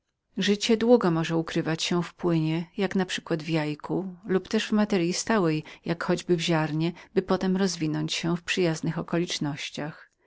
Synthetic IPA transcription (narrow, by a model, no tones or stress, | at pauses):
ʐɘt͡ɕɛd̪wuɡɔmɔʐɛukɾɘvat͡ɕɕɛfpwɘɲɛjaknapʂɘ̥kwad̪vjajkʰulupt̪ɛʐvmat̪ɛɾʲjist̪awɛjjakxɔd͡ʑbɘvʑaɾɲɛbɘpɔt̪ɛmɾɔzvʲinɔɲt͡ɕɕɛfpʂɘjaznɘxɔkɔlʲit͡ʂnɔɕt͡ɕax